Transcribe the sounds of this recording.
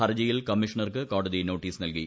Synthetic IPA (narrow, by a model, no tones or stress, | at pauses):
ɐrd͡ʑɐjilkɐmːɪʂɐɳɐrkɨkaːʈɐðinoːʈːiːsnɐlki